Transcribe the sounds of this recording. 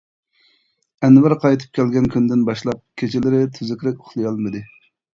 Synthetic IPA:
ɛnvæɾqʰɑjt̪ʰɨ̥p̚kʲɛlɡʲɛnkʲynd̪ɪnbɑʃlˠɑp̚kʲʰet͡ʃʰɪlɪɾɪt̪ʰyzɪkʲɾɪkʲoχlˠɨjɑlˠmɨd̪ɨ

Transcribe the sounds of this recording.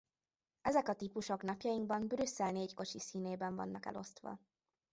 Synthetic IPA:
ɛzɛkɒt̪ipuʃo̞knɒpjɒjiŋɡbɒmbɾysːɛlneːcko̞t͡ʃisiːneːbɛɱvɒ̰nːɒkɛ̰lʔo̞̰st̪ʋɒ̰

